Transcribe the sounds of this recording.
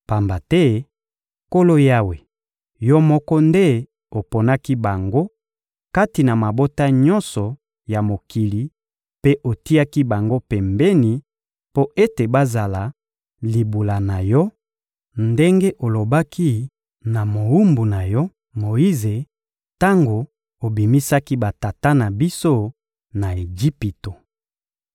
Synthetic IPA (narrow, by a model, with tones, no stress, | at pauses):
pa˨mba˨tɛ˦ | ko˦lo˦ja˦we˨ | jɔ˦mɔ˦kɔ˦nde˦ | o˨po˨na˦ki˦ba˨ŋɡo˦ | ka˦ti˨na˨ma˨bo˦ta˦ɲɔ̃˦nsɔ˨ | ja˨mo˨ki˨li˨ | pe˦ʔo˨ti˦a˦ki˦ba˨ŋɡo˦pɛ˨mbɛ˦ni˨ | po˦ʔe˦te˨ba˦za˨la˨ | li˨bu˨la˨na˨jɔ˦ | nde˦ŋɡe˦ʔo˨lo˨ba˦kʰi˦ | na˨mo˨u˦mbu˨na˨jɔ˦ | mo˨ji˦ze˨ | ta˦ŋɡo˨ | o˨bi˨mi˦sa˦ki˦ba˨ta˨ta˦na˨bi˦so˦ | na˨e˨ɡi˦pi˨to˨